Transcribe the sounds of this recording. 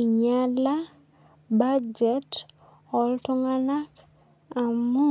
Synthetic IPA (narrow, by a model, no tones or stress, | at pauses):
iɲala | bad͡ʒɛt | ɔltuŋanak | amu